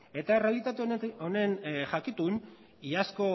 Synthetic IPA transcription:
e̞t̪ae̞re̞alit̪at̪eone̞nʝakit̪un | iasko̞

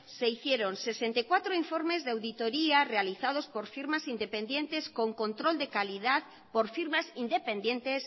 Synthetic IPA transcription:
se̞iθjeɾonsesent̪ejkwat̪ɾoiɱfoɾme̞zðeawðit̪oɾiarealiθað̞o̞spo̞ɾfiɾmasind̪epe̞nd̪jẽ̞nt̪e̞sko̞ŋkõ̞nt̪ɾo̞ld̪ekalið̞að | poɾfiɾmasind̪epe̞nd̪jẽ̞nt̪es

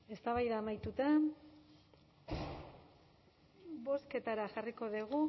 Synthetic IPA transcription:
e̞st̪aβajðaːmajt̪ut̪a | βo̞ske̞t̪aɾaxariko̞ðiɣ̞u

